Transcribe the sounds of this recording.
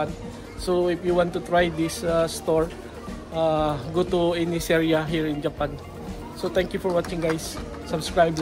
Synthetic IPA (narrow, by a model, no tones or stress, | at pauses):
an | soɪfjuwãnt̪ʊt̪ɹajd̪ɪsast̪oɹ | ʔaɡot̪uɛnɪsɛɹiaɦiɹɪ̃nd͡ʒɐpãn | sot̪ɛ̃ŋkjʊfɔɹwat͡ʃɪ̃ŋɡajs | sɐbskɹajb